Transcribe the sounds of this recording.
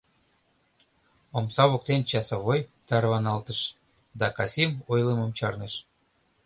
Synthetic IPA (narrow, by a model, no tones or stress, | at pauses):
omsɑβok̚t̪ent͡ɕɑsɑβojt̪ɑrβɑnɑlt̪əʃ | d̪ɑkɑsimojlemomt͡ɕɑrneʃ